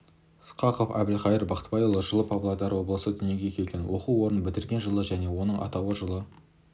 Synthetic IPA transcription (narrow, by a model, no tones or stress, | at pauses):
ɪsqɑqofæ̰bɪlχɑjəɾbɑqt̪bɑjolˠəʒəlˠəpʰɑblˠɑd̪ɑɾwo̞blˠəsəd̪ʏnjeɡʲe̞kʲʰe̞lɡʲe̞nwo̞quo̞ɾənbɪt̪ɪɾɡʲe̞nʒəlˠəʒæne̞wo̞nəɴʔɑ̰t̪ɑwəʒəlˠə